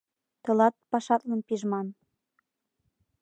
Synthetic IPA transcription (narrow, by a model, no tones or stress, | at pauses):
t̪ɤ̆lɑt̪̚pɑʃɑt̪lə̆npiʒmɑn